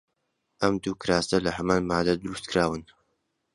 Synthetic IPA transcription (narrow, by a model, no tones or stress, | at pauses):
ʔɐmd̪uːkɾaːst̪ɐlɐhɐmaːnmaːd̪ɐd̪ɨɾust̪̚kʰɾaːwɨn